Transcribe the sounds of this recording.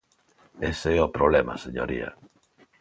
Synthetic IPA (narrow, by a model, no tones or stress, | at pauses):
eseɛopɾoβlema̰seɲo̰ɾia̰